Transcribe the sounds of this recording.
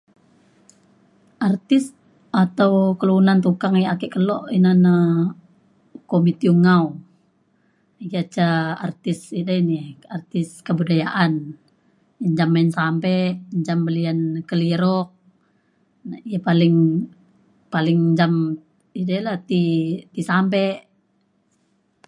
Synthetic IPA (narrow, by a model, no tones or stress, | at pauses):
ʔart̪ɪs | at̪awkəluunant̪ukaŋjaakɛʔkəlɔʔinana | komit̪iuŋau | iɡiat͡ʃaa̰rt̪ɪsidainiart̪ɪskəbudajaʔan | jaɲd͡ʒamansampɛʔɲd͡ʒambəliankəliɾɔk̚ | nijapalɪŋ | palɪŋɲd͡ʒam | idalat̪it̪isampɛʔ